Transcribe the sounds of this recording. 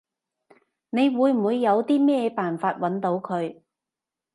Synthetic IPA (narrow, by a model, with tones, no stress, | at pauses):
ne˨˧jwuː˨˧jm̩˨˩wuː˨˧jːɐ˨˧wt̪iː˥mɛː˥paː˨˩nfaː˧t̚wɐ˨˥nt̪o˨˧wkʰɵ˨˧ɥ